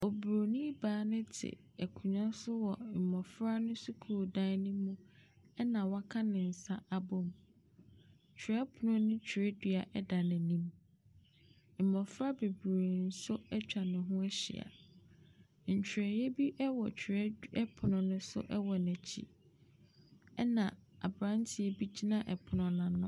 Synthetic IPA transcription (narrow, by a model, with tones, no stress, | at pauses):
o˨bu˨ɾo˨nĩ˦baː˨˦nʊ̃˦tʰɪ̰˨ | ɛ˨kʰũ˨ɲã˦sʊ˦wɔ˨m̩˨mɔ̃˨fɾa˦nʊ̃˦sʊ˦kʰu˦˨dã˦nʊ̃˦mũ˦ | ɛ˦nã˨wa˦kʰã˦nɪ̃˨n̩˨sa˦a˨bɔ˦m˨ | t͡ɕᶣʰɾɛ˦pʰʊ˨nʊ̃˦nʊ̃˦t͡ɕᶣʰɾɛ˦dɥa˨ʔɛ˦da˨nɪ̃˨nĩ˦m | m̩˨mɔ̃˨fɾa˦be˨bɾi˨n̩˦sʊ˦ɛ˦t͡ɕᶣa˨nɪ̃˨ɦʊ̃˦ɛ˦ɕɪ̰˨a̰˨ | ɲ̩˨t͡ɕʰᶣɾɛ˨jɛ˦bi˦ʔɛ˦wɔ˨t͡ɕʰᶣɾɛ˦ɛ˦pʰʊ˨nʊ̃˨nʊ̃˦sʊ̰˦ʔɛ˦wɔ˨næ˨t͡ɕʰḭ˦ | ɛ˦nã̰˨a̰˨bɾã˦n˦tʰɪ˨e˦bi˦d͡ʑi˦nã˦˨ʔɛ˨pʰʊ˨nʊ̃˨nã˨nʊ̰̃˦